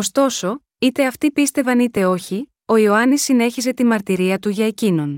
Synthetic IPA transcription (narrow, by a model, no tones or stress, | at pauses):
o̞st̪o̞so̞ | it̪e̞ɐft̪ipist̪e̞vɐnit̪e̞o̞çi | o̞ioɐnisːine̞çize̞t̪imɐɾt̪iɾiɐt̪uʝɐe̞cino̞n